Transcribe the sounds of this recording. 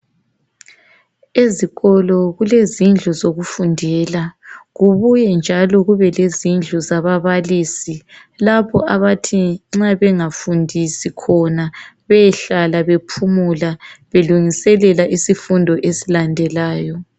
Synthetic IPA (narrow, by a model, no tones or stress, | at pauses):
eziɣɔlɔɣulezind͡ɮʱɔzoɣufundʱɛlaɣuβujɛnd͡ʒʱalɔɣuβɛlezind͡ɮʱɔzaβaβalisi | laβɔʔaβatʰiŋ͡ǁaβɛŋafundʱisikʰɔnaβɛɬalaβepʰumulaβeluŋisɛlɛlaʔisifundʱɔʔesilandʱɛlaːjɔ